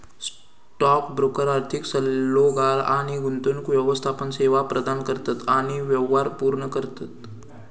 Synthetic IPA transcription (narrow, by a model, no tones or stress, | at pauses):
s | ʈɔkbɾokəɾaɾt̪ʰiksəlːoɡalaɽ̃iɡunt̪onkʋjəʋəst̪ʰapənseʋapɾəd̪ankəɾt̪at̪aɽ̃iʋjəʋaɾpuɾɳəkəɾt̪at̪